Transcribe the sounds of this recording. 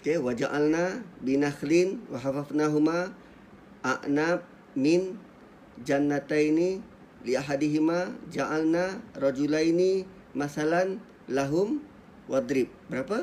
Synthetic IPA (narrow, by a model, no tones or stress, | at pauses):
kewad͡ʒa̰ʔalnabinaxlinwaɦafafnaɦuma | ʔaʔnap̚ | min | d͡ʒanːat̪aini | liaɦadiɦimad͡ʒaʔalnarɔd͡ʒulaini | masalan | laɦum | wad̪ɾip̚bəɾapa